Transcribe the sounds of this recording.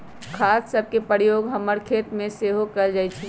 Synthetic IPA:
kʰasːəb̚ʱkepəɾjoɡɦəməɾkʰet̪mẽseɦokəld͡ʒajt͡ʃʰɛ

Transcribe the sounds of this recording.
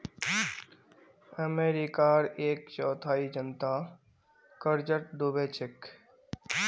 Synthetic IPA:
əmeːɾikaːɾeːkt͡ʃɔːt̪ʰaːid͡ʒənt̪a | kəɾd͡ʒəʈ̚d̪obeːt͡ʃɪk

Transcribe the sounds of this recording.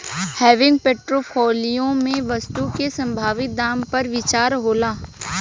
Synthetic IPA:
hɛːʋɪ̃ŋɡpeːʈɾoːpʰɔːlijõmẽʋɐst̪ukesɐ̃mbʱaːʋɪt̪̚d̪aːmpɐɾʋɪt͡ʃaːɾɦoːlaː

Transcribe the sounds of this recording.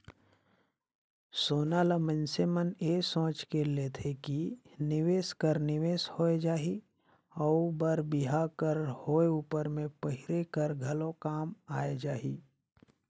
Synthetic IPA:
soːnaləmə̃nsemənesõːt͡ʃkelet̪ʰeki | nɪʋeːskəɾnɪʋeːshoːed͡ʒaːɦi | ɔːbəɾbɪɦakəɾhoːeuːpəɾmẽpəɦɪɾekəɾɡʱɐlõkaːmaːed͡ʒaːɦiː

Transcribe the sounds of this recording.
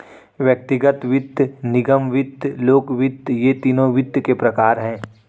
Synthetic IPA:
ʋjək̚t̪ɪɡət̪ʋɪd̪ʱnɪɡəmʋɪd̪loːɡʋɪd̪jet̪iːnõʋɪd̪ʱkepɾɐkaːɾɦɛ̃ː

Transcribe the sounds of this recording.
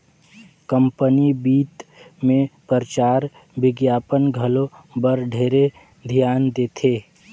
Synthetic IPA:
kə̃mpənibiːt̪mẽpəɾət͡ʃaːɾ | bɪɡjaːpənɡʱəlobəɾɖʱeːɾe | d̪ʱjaːnd̪eːt̪ʰeː

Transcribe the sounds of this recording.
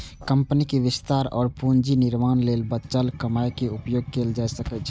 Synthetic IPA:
kə̃mpnikeʋɪst̪aːɾɔ̰ːɾpund͡ʒinɪɾmaːnleːlbətt͡ʃəlkəmaːekeʊpjoːɡ̚keːld͡ʒaːesəkɛt͡ʃʰ

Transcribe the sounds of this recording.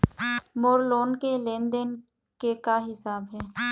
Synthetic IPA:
moːɾloːnkelẽːnd̪ən | kekaɦɪsaːbɦɛː

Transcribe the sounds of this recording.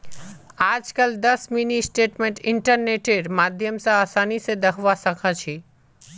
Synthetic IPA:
aːd͡ʒkəld̪ɐsminisʈeːʈmẽɳʈɪ̃ɳʈəɾneːʈeɾmaːd̪ʱjəmsãaːsaːnisẽd̪ɐkʰʋasəkʰət͡ʃʰi

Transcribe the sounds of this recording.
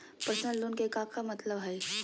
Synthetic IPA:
pɾəsnəlːonkekakʰamət̪ləbɦaj

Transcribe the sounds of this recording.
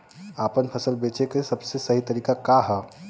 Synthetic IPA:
apənpʰəsəlbet͡ʃekesəbsesəɦit̪əɾiːkakaɦə

